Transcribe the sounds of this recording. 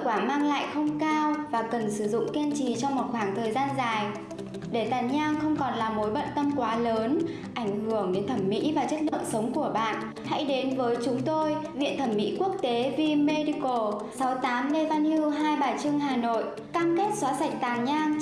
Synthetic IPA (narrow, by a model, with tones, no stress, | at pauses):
kwaː˧˩maː˧ŋla̰ː˧˨jxə˧wŋ͡mkaː˧wvaː˨˩kə˨˩nsɨ˧˩zʊ̰˧˨ŋ͡mki˧ənt͡ɕi˨˩t͡ɕɔ˧wŋ͡mmo˨˩t̚xwaː˧˩ŋt̪ʰəː˨˩jzaː˧nzaː˨˩j | ɗe˧˩t̪aː˨˩nɲaː˧ŋxə˧wŋ͡mkɔ˨˩nlaː˨˩mo˨˦jɓə̰˧˨nt̪ə˧mkwaː˨˦ləː˨˦n | ʔa˧˩jŋ̟hɨ˧˩əŋɗe˨˦nt̪ʰə˧˩mːḭ˧˥vaː˨˩t͡ɕə˦˥t̚lɨ̰˧˨ŋ͡msə˨˦wŋ͡mku˧˩əɓa̰ː˧˨n | ha̰˧˥jɗe˨˦nvəː˨˦jt͡ɕʊ˨˦ŋ͡mt̪o˧jvḭ˧˨ənt̪ʰə˧˩mːḭ˧˥ku˦˥ək̚t̪e˨˦vi˧me˧ɗi˧ko˧˩sa˨˦wt̪aː˨˦mne˧vaː˧ni˧ɦaː˧jɓaː˨˩t͡ɕɨ˧əŋɦaː˨˩no̰˧˨j | kaː˧mke˦˥t̚swaː˨˦sa˨˩jk̟̚t̪aː˨˩ɲaː˧ŋ